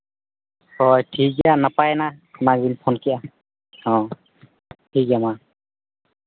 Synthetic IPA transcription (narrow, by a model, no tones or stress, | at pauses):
hɔjtʰikanapajnanaɡinpʰɔnkɛʔa | ɔ̃ | ʈʰikama